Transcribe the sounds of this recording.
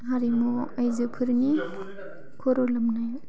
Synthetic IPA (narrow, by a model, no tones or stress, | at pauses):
ɦaɾimuajzɯpʰɯɾni | kʰɔɾɔlamnaj